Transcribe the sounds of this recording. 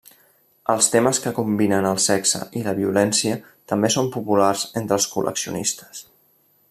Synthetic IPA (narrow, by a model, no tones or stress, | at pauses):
əlˠst̪eməskəkumbinənəlˠsɛksə̰ʔiləβiulɛnsiə | t̪əmbesompupularz̥ent̪ɾəlˠskulʔə̰ksiṵnist̪ə̥s